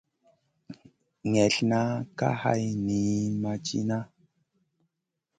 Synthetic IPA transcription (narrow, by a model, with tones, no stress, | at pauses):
ŋɛ˨ɬna˦ka̰˦ha̰˦jni˨˦ma˨t͡ʃḭ˦na˦